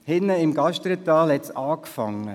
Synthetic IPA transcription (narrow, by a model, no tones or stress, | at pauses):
hɪnːəɪmɡɑʃtɾət̪ɑːlhɛtsɑːkfɑŋːə